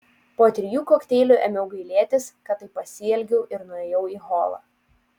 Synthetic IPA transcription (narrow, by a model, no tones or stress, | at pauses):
poːt̪ʲɾʲɪjuːkoːkʲt̪ʲeːlʲuːˑʔɛ̰mʲɛʊɡɐɪlʲeɛt̪ʲɪskɐt̪ɐɪpɐsʲɪːɛlʲɡʲɛʊʔɪɾnʊeːjɛʊiːɦoːlˠɐ̰ː